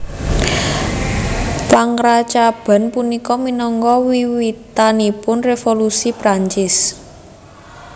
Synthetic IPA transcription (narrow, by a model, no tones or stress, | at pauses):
paŋɾat͡ʃab̥a̤npunikɔminɔŋkɔwiwit̪anipʊnrefolusipɾaɲt͡ʃɪs